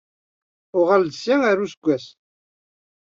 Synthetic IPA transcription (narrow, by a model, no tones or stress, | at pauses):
ʊʁald̪əsiaɾusɡʷːæs